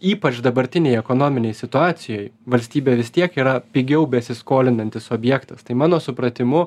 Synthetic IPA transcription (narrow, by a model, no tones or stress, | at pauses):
iːpɐt͡ʃd̪ɐbɐɾʲt̪ʲɪnʲejɛkoːnoːmʲɪnʲɛɪsʲɪt̪ʊɑːt̪sʲɪjoːjʋɐlʲsʲt̪ʲiːbʲeːʋʲɪst̪ʲiɛkiːɾɐpʲiɡʲɛʊbʲɛsʲɪskoːlʲɪnɐnʲt̪ʲɪsoːbʲjɛkt̪ɐst̪ɐɪmɑːnoːsʊpɾɐt̪ʲɪmʊ